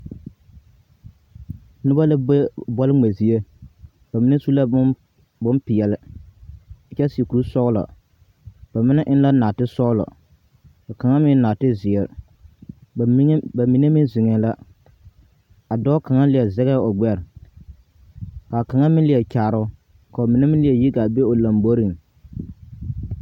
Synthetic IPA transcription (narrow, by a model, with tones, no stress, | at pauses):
nʊ˦ba˦la˦bɔ˦lɪ˦ŋ͡me˨zi˦e˦ | ba˨mɪ˦ne˦su˦la˦ | bʊ˦npɪ˨jɛ˨lɪ˦˨ | t͡ʃɛ˦si˨ku˨ɾu˦sɔ˦ɣlɔ̰˨ | b̥a˨mɪ˦nɛ˦ʔɪ˦n˦la˦naː˨tɪ˦sɔ˦ɣlɔ̰˨ | ka˨ka˨ŋa˦mɪ˦n˦naː˨tɪ˦zɪ˨ɛ˨ɾ | ba˨mi˨ne˦mɪ˦zɪ˨ŋɛ˨la˦ | a˨dɔ˦ka˨ŋa˦lɪ˨ɛ˨zɛ˦ɣɛ˦ʊ˨ɡ͡bɛ˦ɾ | ka˨ka˨ŋa˦mɪ̃˦lɪ˨ɛ˨kaː˨ɾʊ˦ | ka˨o˨mɪ˨nɛ˦mɪ̃˦lɪ˦jɛ˨ji˦ɡa˨be˦o˨la˨mbo˦ɾi˨ŋ